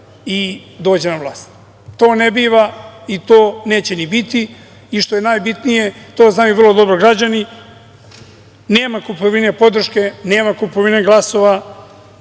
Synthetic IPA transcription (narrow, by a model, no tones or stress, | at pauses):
id̪oːd͡ʑe̞naʋlˠaːst̪ | t̪o̞ːnebiːʋait̪oːne̞ːt͡ɕe̞nibit̪i | iʃt̪o̞je̞naːjbit̪nije̞t̪o̞ːznaːjuʋr̩lˠod̪o̞bɾoɡɾad͡ʑani | ne̞ːmakupoʋinepo̞d̪r̩ʃke̞ne̞ːmakupoʋineɡlˠaso̞ʋa